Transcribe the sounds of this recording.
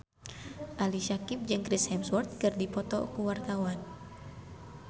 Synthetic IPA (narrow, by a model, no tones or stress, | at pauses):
ʔaliʃakip̚d͡ʒɨŋkɾishɛmswɔrt̪̚kɨrdipɔt̪ɔ̰kuwart̪awan